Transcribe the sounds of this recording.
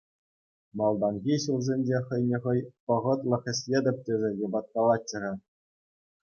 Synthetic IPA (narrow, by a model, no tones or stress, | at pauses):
mɑlˠd̪ɑnɣʲiɕulˠzʲenʲd͡ʑeχɤ̆jnʲĕχɤ̆jpɤ̆ʁɤ̆t̪lʲˠɤ̆χʲɘ̆ɕʲlʲedʲɘ̆p̚ʲt̪ʲĕʐʲɘ̆jɤ̆bɑt̪̚kɑlˠɑt͡ɕːɤ̆rʲɑ